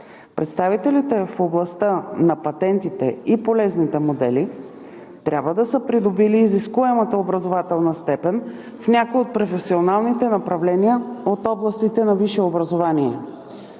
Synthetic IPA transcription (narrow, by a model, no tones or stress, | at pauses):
pɾɛt̪st̪avit̪ɛlit̪ɛfoblˠɐst̪ənɐpɐt̪ɛnt̪it̪ɛipolɛznit̪ɛmod̪ɛli | t̪ɾʲʔabvəd̪ɐsəpɾid̪obiliːziskuɛmət̪əobɾɐzovat̪ɛlˠnəst̪ɛpɛn | fnʲakojot̪̚pɾofɛsionalˠnit̪ɛnɐpɾɐvlɛniəot̪ɔblˠɐst̪it̪ɛnɐviʃɛobɾɐzovaniɛ